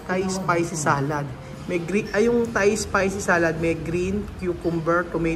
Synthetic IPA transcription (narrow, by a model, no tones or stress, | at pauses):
t̪ajspajsɪsaːlɐd̪̚ | mɛɡɾiʔɐjʊŋt̪ajspajsɪsaːlɐd̪̚mɛɡɾinkjukʊmbɛɹt̪ʊmɛ